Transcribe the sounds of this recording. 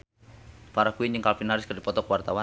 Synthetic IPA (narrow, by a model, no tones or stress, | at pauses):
paɾakuiɲd͡ʒɨŋkalfinaɾɪskərdipɔt̪ɔkwart̪awa